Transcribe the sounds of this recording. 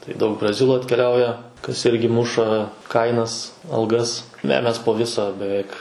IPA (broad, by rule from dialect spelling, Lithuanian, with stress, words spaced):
tɐɪ ˈdɐʊk brɐˈzʲɪlˠuː ɐtʲkʲɛˈlʲɛʊjɛ kɐs ˈɪrʲɡʲɪ ˈmʊʃɐ ˈkɐɪnɐs ɐlˠˈɡɐs nʲɛ ˈmʲɛs poː ˈʋʲɪsɐ bʲɛˈʋʲɛɪk